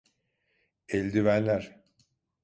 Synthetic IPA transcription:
ɛlʲd̪yvænlʲæɾ̥

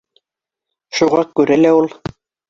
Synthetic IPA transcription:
ʃuʁɑkʉɾælæulˠ

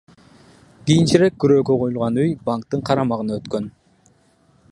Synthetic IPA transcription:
ɡ̥ijint͡ʃiɾe̞k̚ɡyɾø̞ːɡøqʰojulˠʁɑnyjbaŋk̚t̪ɯɴqʰɑɾɑmɑʁɯnɑøt̪kø̞n

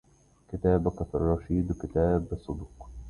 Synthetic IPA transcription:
kɪt̪aːbqɑt̪rˤːɑʃiːd̪wkɪt̪aːbɑsˤːʊd̪uːq

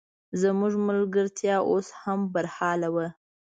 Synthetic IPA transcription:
zəmuʐmʊlɡəɾt̪ʰjɑʔoshambaɾhɑlawə

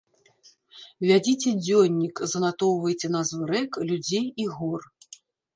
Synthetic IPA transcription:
vʲad͡zʲit͡sʲɛd͡zʲɔnʲːikzɐnat̪ɔwvɐjt͡sʲɛnɐzvɨɾɛklʲud͡zʲejiɣɔr

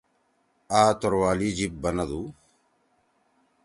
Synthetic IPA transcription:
aːt̪ɔɾʋaːlid͡ʒip̚bɐnɐd̪u

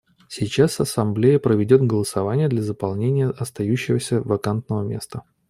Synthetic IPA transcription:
sʲit͡ɕasɐsɐmblʲejəpɾəvʲɪdʲo̞t̪ɡəlˠəsɐvanʲɪjəd̪lʲɐzəpɐlˠnʲenʲɪjəʔɐst̪ɐjʉɕːɪvəsʲəvɐkant̪nəvəmʲe̞st̪ə

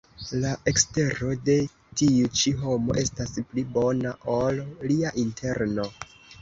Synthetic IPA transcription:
laʔe̞kste̞ɾo̞de̞ | tiut͡ʃiɦo̞mo̞̰ʔe̞stasplibo̞naʔolːiaʔintʰe̞ɾno̞

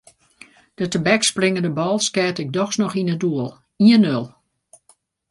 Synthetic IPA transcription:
d̥ətəbɛksprɪŋəndəbɔlˠskɛːtɪk̚dɔxsnɔxinəduəlˠ | iənølˠ

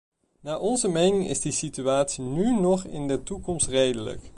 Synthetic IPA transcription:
naːʔɔnzəmejnɪŋɪ̰zdisityaːtsinynɔχɪ̰ndətukɔmstrejdələ̰k

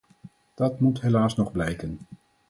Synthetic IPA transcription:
d̥ɑtmutɦelaːsnɔχblɛjkən

